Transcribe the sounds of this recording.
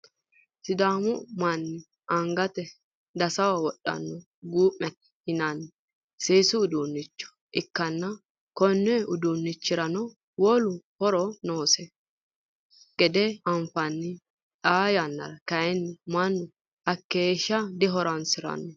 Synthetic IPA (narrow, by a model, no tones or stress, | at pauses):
sɪd̪aːmʊmɐnːɪ | ɐŋɡɐt̪ɛ | d̪ɐsɐwawɔɗːɐ̰nːɔ | ɡuːʔːɛt̪ɛ̥hɪnɐnːɪ | seːsʊʊd̪uːnːɪt͡ʃːɔ̥ | ʔɪkːɐnːɐ | kɔnːɛʊd̪unːɪt͡ʃːɪɾɐnɔ | wɔlʊhɔɾɔnoːsɛ | ɡ̥ɛd̪ɛɐnfɐnːɪ | ᶑaːjanːɐ̰ɾɐkɐjɛnːɪmɐnːʊ | ɐkːeːʃɐd̪ɪɦɔɾɐnsɪɾɐ̰nːɔ